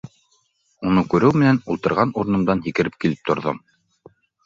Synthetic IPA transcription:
unɤkʉɾɘwmɘ̆nænulˠt̪ɤ̆ɾʁɑnuɾɤ̆nɤ̆md̪ɑnɦikɘ̆ɾɘp̚kilɘp̚t̪ŏɾðom

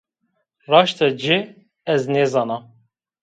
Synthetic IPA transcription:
rɑːʃt̪ɛd͡ʒɪ | ɛznezɑːnɑ

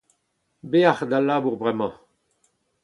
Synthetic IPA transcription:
beaχd̪alːabuʁbʁɛmɑ̃

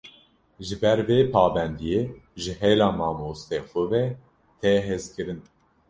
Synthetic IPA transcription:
ʒɨbɛɾveːpʰɑːbɛnd̪ijeːʒɨɦeːlɑːmɑːmoːst̪eːxʷʊvɛ | t̪ʰɛɦezkɨɾɨn

